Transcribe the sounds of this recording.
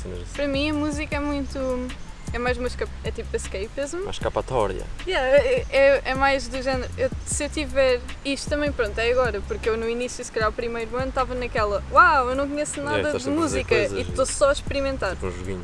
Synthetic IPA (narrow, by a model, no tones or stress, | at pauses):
sḭ̃nɐ̰ʒpɐɾɐmĩɐmuzikɐɛmũj̃t̪u | ɛmajzumɐʃkɐpɛt̪ipuɐʃkɐjpezmɐʃkapɐt̪ɔ̰ɾjɐ̰jɛɛʔɛmajʒðɨʒɛnɾewsewt̪ivɛɾiʃt̪u̥t̪ɐmɐ̃j̃pɾõnt̪ɛɐɣɔɾɐpuɾkewnuinisjusɨ̥kɐʎaɾupɾimɐjɾuɐ̃nt̪avɐnɐkɛlˠɐwawewnɐ̃w̃kuɲɛsnaðɐðmuzikɐit̪osɔɐʃpɨɾimẽnt̪aɾṵ̃ʒuɣḭɲ